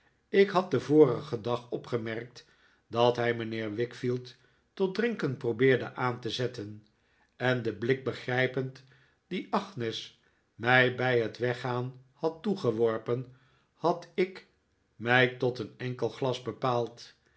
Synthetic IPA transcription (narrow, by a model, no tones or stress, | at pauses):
ɪkɦɑt̚dəvʊːrəχədɑχɔpχəmɛɹk̚t | dɑtɦɛjmənɪːɹʋɪkfilˠtː | ɔt̚drɪŋkəntprobɪːɹdə̰ʔaːntəzɛtən | ʔɛndəblɪk̚bəχrɛjpənt | d̥iʔɑχnɪs | mɛjbɛjɦətʋɛχaːnhɑtuχəʋɔɹpən | hɑtɪk | mɛjtɔtənɛŋkəlˠχlɑzbəpaːlˠt